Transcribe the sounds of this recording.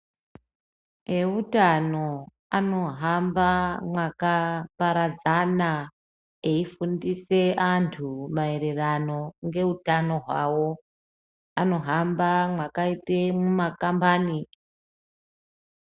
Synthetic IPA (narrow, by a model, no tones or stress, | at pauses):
e̞utano̞ | ano̞ɦambamwakapaɾad͡zana | eifundise̞ʔantʰumae̞ɾe̞rano̞ŋɡe̞utano̞ɦwawo̞ | ano̞ɦambamwakaitemumakambaːni